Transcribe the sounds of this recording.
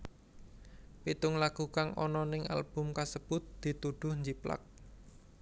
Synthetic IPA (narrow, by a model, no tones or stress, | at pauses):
pit̪ʊŋlaɡ̥ukaŋɔ̰nɔnɪŋa̰lb̥ʊ̤mkasəb̥ʊt̪̚d̪̥i̤t̪uɖ̪̥ʊ̤hɲd͡ʒipla̰k̚